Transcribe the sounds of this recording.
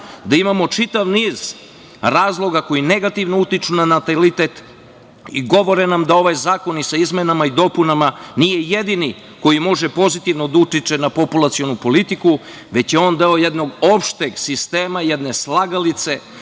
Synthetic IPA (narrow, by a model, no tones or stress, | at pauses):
d̪aimamo̞t͡ʃit̪aʋniːz̥ | ɾaːzlˠo̞ɡako̞jineɡat̪iʋnout̪it͡ʃunanat̪alit̪et̪ | iɡo̞ʋo̞ɾenamd̪ao̞ʋajzaːko̞nisaizmenamaid̪o̞punamanijejed̪ini | ko̞jimo̞ʒepo̞zit̪iʋno̞d̪aut̪it͡ʃenapo̞pulˠat̪sio̞nupo̞lit̪iku | ʋe̞t͡ɕjeo̞nd̪eo̞jed̪no̞ɡopʃt̪eɡsist̪e̞ːmajed̪neslˠaɡalit̪se̞